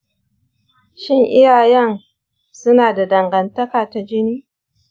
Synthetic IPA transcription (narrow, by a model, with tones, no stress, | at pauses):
ʃɪ˦ŋʔɪ˦jaː˨jɛ˦n | sʊ˦naː˨da˨dɐ˨ŋɡɐ˨ntɐ˦kaː˨ta˨d͡ʒɪ˦niː˦